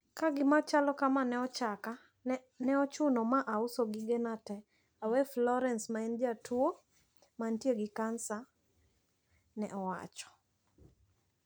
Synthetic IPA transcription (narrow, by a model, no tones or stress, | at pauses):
kaɡɪmat͡ʃalɔkamanɛɔt͡ʃaka | nɛɔt͡ʃʊnɔmaʔausoɡɪɡɛnatɛ | awɛflɔɾɛnsmaɛnd͡ʒatʰuo | mantieɡɪkansa | nɛʔɔwa̰t͡ʃɔ̥